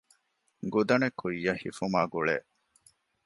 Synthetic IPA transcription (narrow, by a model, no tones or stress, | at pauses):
ɡud̪ɐnekʰːujːɐhifumaːɡuɭḛʔ